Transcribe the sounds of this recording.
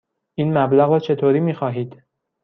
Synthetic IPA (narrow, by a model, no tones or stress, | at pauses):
ʔiːnmæblæɣɾɒːt͡ʃʰe̞t̪ʰoːɾiːmiːxɒːɦiːd̪̥